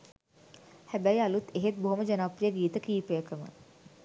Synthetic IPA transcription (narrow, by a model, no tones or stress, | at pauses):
hæbæjalut̪eɦet̪̚boɦoməd͡ʒənaprijəɡiːt̪əkiːpəjəkəmə̰